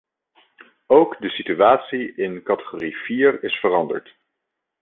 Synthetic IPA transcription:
owkdəsityaːtsiʔɪnkɑtə̥χoːriv̥iːrɪsfərɑndə̰ɹt

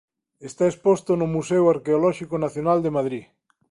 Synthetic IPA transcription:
est̪aespost̪onomusewaɾkeolɔʃikonaθjonald̪emað̞ɾi

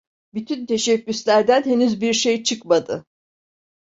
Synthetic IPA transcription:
byt̪ʰynt̪ʰe̞ʃɛcʲːyslʲæɾd̪ænhe̞nyzbiɾʃejt͡ʃʰɯkmad̪ɯ

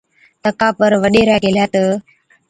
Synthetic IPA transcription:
t̪əkapəɾʋəɗeɾaɡeljat̪ə

